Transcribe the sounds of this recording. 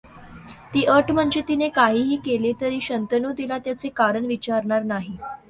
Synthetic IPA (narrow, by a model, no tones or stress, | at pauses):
t̪iːʔəʈm̤əɳd͡ʑit̪inekaɦiːɦiːkelet̪əɾiːɕənt̪ənud̪ilat̪jat͡sekaɾəɳʋit͡ɕaɾɳaɾnaɦi